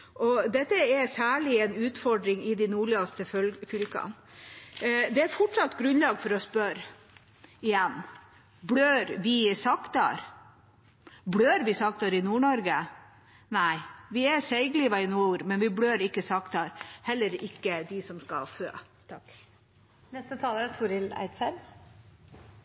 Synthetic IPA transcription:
ʔɔd̪ɛt̪ːəɛsæːɭɪɛnʉːt̪fɔɖɾɪŋɪd̪ɪnuːɭiɑst̪əfʏlkɑ̰n | d̪ɛæɾfɔʈʂɑt̪ːɡɾʉnlɑːɡfɔɾɔspœɾ | ɪjɛnː | bɽøːɾʋɪsɑkt̪ɑ̰ɾ | bɽøːɾʋɪsɑk̚t̪ɑɾɪnuːɳɔɾɡə | næɪʋɪɛsɛɪɡliːʋɑɪnuːɾmɛnʋɪbɽøːɾɪkːəsɑkt̪ɑɾhɛlːəɾɪkːəd̪ɪsɔmskɑfø̰ː | t̪ʰɑkː | nɛst̪ət̪ʰɑːləɾɛt̪ʰʊɾɪlæ̰ɪd̪sæɾm

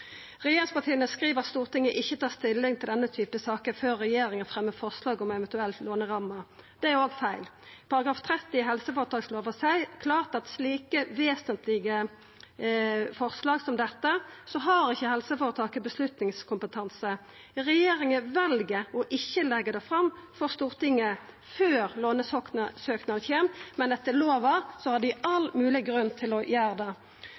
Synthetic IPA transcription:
ʁɛjeːɾɪŋspɑt̪ʰiːənəskɾiːʋəɑt̪st̪uːʁt̪ʰɪŋːəʔɪçːət̪ʰɑːst̪ɪlːɪŋt̪ʰɪld̪ɛnːət̪ʰyːpəsɑːkəføːɾːɛjeːɾɪŋənfʁɛmːəfɔʁslɑːɡɔmɛvɛnt̪ʉɛlt̪loːnəʁɑməd̪̥ɛæɾoːɡfæɪl | pʰɑɾɑɡɾɑːft̪ʰɾɛt̪ːɪɦɛlsəfoːɾət̪ʰɑːksloːʋəsæɪkʰlɑːʁt̪ɑt̪sliːkəʋeːsənt̪lɪɡə | fɔʁslɑːɡsɔmd̪ɛt̪ːəsɔɦɑɾɪçːəhɛlsəfɔʁɔt̪ʰɑːkːəbəslʉt̪nɪŋskʰʊmpət̪ʰɑnsə | ʁɛjeːɾɪŋəʋɛlɡəɔʔɪçːəlɛɡːəd̪ɛfʁɑmːfɔʁst̪uːʁt̪ɪŋːə | føːʁloːnəsøːknɑçeːmmɛnɛt̪ːəloːʋɑʁsɔhɑd̪ɪɑlmʉːlɪɡɾʉnt̪ʰɪlɔjæːʁd̪ɛ

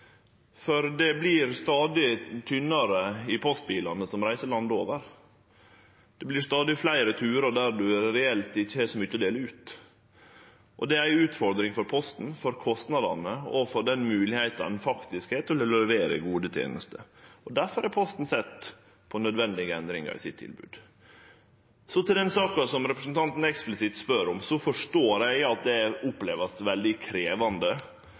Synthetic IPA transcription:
fɔɾd̪ɛblɪɾst̪ɑːd̪ɪt̪ʰʏnːɑɾəɪpʰɔst̪̚biːlɑnəsɔmɾæɪsəɭɑnd̪oːʋəɾ | d̪̥ɛblɪst̪ɑːd̪ɪflæɪɾət̪ʰʉːɾəɖ̪æɾɖʉæɾɛɛlt̪ɪçːəɛʂɔmʏçːəɔd̪eːləʉːt̪ | ʔɔ̰d̪ɛæɪʉːt̪fɔɾd̪ɾɪŋfɔɾpʰɔst̪n̩fɔɾkʰɔst̪nɑd̪ɑ̰nəɔfɔɾɖ̪ɛnmʉːlɪheɪt̪ɑ̰nfɑkt̪ɪskheːt̪ɔlɛlɔɛʋeːɾə̰ɡuːd̪ət̪ʰjḛːnəst̪ə̰ɔd̪æɾfɔɾæɾpʰɔst̪n̩sɛt̪ː | pʰɔnœd̪ʋɛnd̪ɪɡəɛnd̪ɾɪŋɑ̰ɾɪ̰sɪt̪ʰːɪ̰lbʉ̰ːd̪ | sɔt̪ʰɪld̪ɛnsɑːkɑsɔmɾɛpɾəsnt̪ʰɑnt̪n̩ɛksplɪsɪt̪spœɾɔmsɔfɔʂʈoːɾæɪɑt̪̚d̪ɛæʊplḛːʋəst̪ʋɛld̪ɪkʰɾeːʋɑnd̪ə

